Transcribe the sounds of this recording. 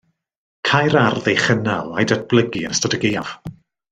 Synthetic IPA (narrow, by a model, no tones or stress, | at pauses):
kʰajɾarðejχənalˠajdat̚b̥lˠəɡiənstɔtəɡejav̥